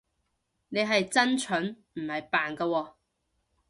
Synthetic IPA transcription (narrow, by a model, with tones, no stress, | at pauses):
ne˨˧jɦɐ˨jt͡sɐ˥nt͡ʃʰɵ˨˥n | m̩˨˩hɐ˨jpaː˨nkɐ˧wɔː˧